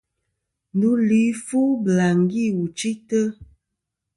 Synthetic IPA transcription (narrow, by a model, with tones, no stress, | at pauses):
ndu˨˦li˨˦fu˦bla˨ŋ˨ɡi˦˨wu˨t͡ʃi˦tə˦